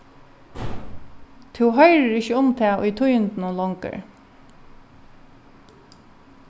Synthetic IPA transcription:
t̪ʰɪwɦœjɾəɹɪçəʊmt̪ʰɛːʔʊ̰jt̪ʰʊjənt̪nʊlɔŋkə̰ɹ

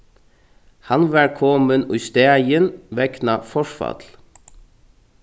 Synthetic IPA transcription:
hɑnʋælkʰɔmənʉst̪eːɪənʋɛknɑfɔʃfɑ̰t̪l

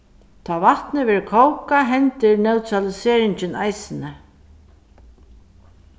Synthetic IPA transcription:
t̪ʰaːvat̪nɪvɛːɾkʰowkaɦɛnt̪ɪɾnɛwt̪ʰɾalɪseːɾɪɲt͡ɕɪnajsɪnɪ

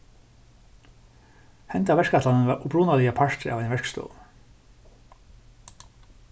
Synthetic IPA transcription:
hɛnt̪avɛʂkat̪lanənvaːɾubɾuːnalɪapʰaʂt̪ɪʔa̰vɛjnvɛɹkst̪o̰ːw

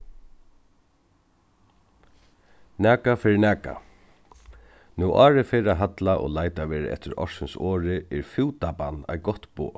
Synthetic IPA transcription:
nɛːkafɪɾɪnæːka̰ | nuʔaːɾɪfeɾaɦat̪laʔo̰ːlaːjt̪aʋeːɾɪ̰ɛ̰ht̪ɪɾɔ̰ɹ̥sɪnsɔːɾɪɛɾfɪwt̪apanːa̰jɡɔt̪pṵː

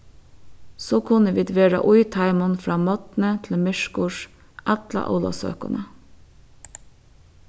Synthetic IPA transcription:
soːkʰʊnəʋiːd̪ʋeːɾɑ̰ʔʊʏt̪ʰɑɪmʊnfɾɑːmɔt̪n̩ət̪ʰl̩mʏʃkʊʃ | ʔæt̪lɑ̰ʔɑ̰ːlɑ̰sø̰ːkʊ̰nə

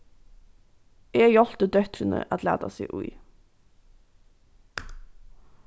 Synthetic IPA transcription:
ʔeːjɔlt̪əd̪œt̪ɾənə̰ʔɑt̪ʰlæ̰ːd̪ɑ̰sḭːʔʉʏ

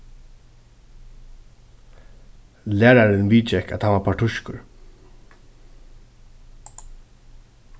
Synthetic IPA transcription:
læːɹaɾɪnʋiːt͡ʃɛka̰t̪haʋapʰaʈʰʊʃkʊɹ

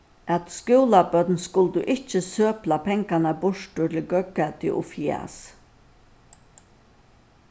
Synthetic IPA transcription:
ʔæt̪skjʊːlabœt̪nskʊld̪uʔɪt͡ʃəsøːplapʰɛŋkanabʊʂʈʊʈʰɪlɡœkːat̪ɪ̰ʔʊ̰fia̰s

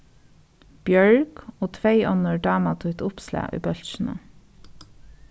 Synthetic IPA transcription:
b̥jœɹɡ̥oːt̪ʰʋeɪʔɔnəɹɖɑːmɑt̪ʰʉt̪ʊpslæ̰ːʔy̰ːbœlçn̩ə̰

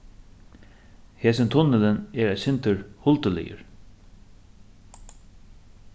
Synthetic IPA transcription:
heːsɪnt̪ʰʊnːɪlɪnɛɹæsɪnt̪ʏɹhʊlt̪əlɪ̰jə̰ɹ

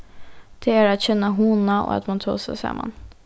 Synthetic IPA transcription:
d̪̥ɛæːɾat̪çɛnːəɦunao̰ːa̰t̪mɑnt̪ʰɑ̰ːsɛ̰ɪsɑ̰mːa̰n

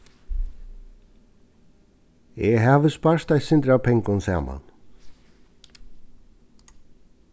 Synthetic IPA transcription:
ɛɦaːʋəspaɹt̪ajsɪnt̪ɾawpʰɛŋkʊnsa̰ːma̰n

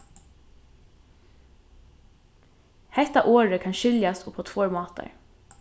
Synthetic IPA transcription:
hɛht̪aʔoːɹəkʰɑnʃʏljast̪ʊpʰoːt̪ʰvoːɹmɑːt̪a̰ɹ

